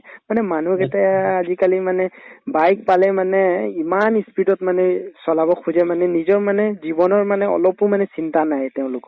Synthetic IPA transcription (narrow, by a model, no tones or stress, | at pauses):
manɛmanukɛtɛazikalimanɛbajk̚palɛmanɛimanispitɔtmanɛsɔlabɔkʰuzɛmanɛnizɔɹmanɛzibɔnɔɹmanɛɔ̰lɔpʊmanɛsintanajtɛʊ̃lʊkɔ